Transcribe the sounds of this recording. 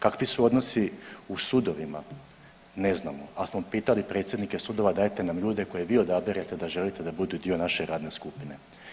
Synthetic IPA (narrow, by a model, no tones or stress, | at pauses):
kakʋisuo̞d̪no̞siusud̪o̞ʋima̰ | ne̞znamoasmo̞piːt̪alipɾe̞t̪sjed̪nike̞sud̪o̞ʋad̪aːjt̪enamʎuːd̪e̞ko̞je̞ʋiːo̞d̪abeɾat̪e̞d̪aʒe̞lit̪e̞d̪abud̪ud̪io̞naʃeɾaːd̪ne̞skupine̞